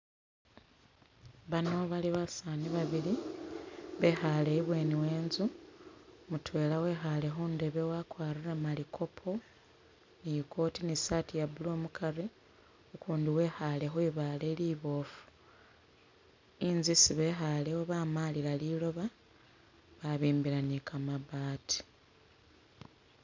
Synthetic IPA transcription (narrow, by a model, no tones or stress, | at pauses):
βano̞βaliβasaniβaβili | βe̞xale̞iβwe̞ːniwe̞ːnzu | mutwe̞ːlawe̞ːxalexuːnde̞βe̞wakwaːriremalikʰo̞pʰo̞ | nijiko̞tinisatijabuloːmukaɾi | ukuːndiwe̞ːxale̞xwiβaːle̞liβo̞ːfu̥ | inzisiβe̞xalewoβaːmaliɾalilo̞βa | βaβiːmbiɾanikamaβaːtʰi̥